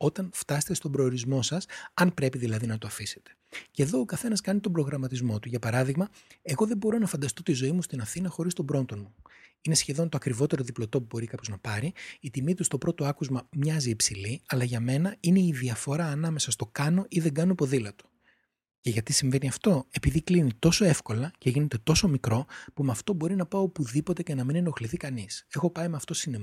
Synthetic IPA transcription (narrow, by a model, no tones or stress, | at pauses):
o̞t̪ɐnft̪ɐse̥t̪est̪o̞bɾo̞ːɾizmo̞sɐsɐnpɾe̞piðilɐðinɐt̪oɐfise̞̥t̪e̥ce̞ðo̞ːkɐθe̞nɐskɐnit̪o̞bɾo̞ɣɾɐmɐt̪izmo̞t̪uʝɐpɐɾɐðiɣmɐe̞ɣo̞ðe̞bo̞ɾo̞nɐfɐnd̪ɐst̪o̞t̪izo̞imust̪inɐfθinɐxo̞ɾist̪o̞bɾo̞nd̪o̞nmuine̞sçe̞ðo̞nt̪oɐkɾivo̞t̪e̞ɾo̞ðiplo̞t̪o̞pubo̞ɾikɐpo̞znɐpɐɾiːt̪imit̪ust̪o̞pɾo̞t̪o̞ɐkuzmɐmɲɐziːpsiliɐlɐʝɐme̞nɐine̞iðiɐfo̞ɾɐːnɐmesɐst̪o̞kɐno̞ʔiðeŋɡɐnoipo̞ðilɐt̪o̥ | ce̞ʝɐt̪isiɱve̞niɐft̪o̞e̞piðiklinit̪o̞so̞e̞fko̞lɐce̞ʝine̞t̪e̞t̪o̞so̞mikɾo̞pumeɐft̪o̞bo̞ɾinɐpɐoopuðipo̞t̪e̞ce̞nɐmineno̞xliθikɐnise̞xo̞pɐimeɐft̪o̞sine